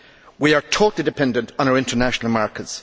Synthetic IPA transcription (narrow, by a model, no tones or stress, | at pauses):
wiə˞tʰoːtlˠidɪpʰɛ̃ndə̃ntn̩aʊəɹɪ̃ntʰə˞naʃənəl̩ˠmaɹkəts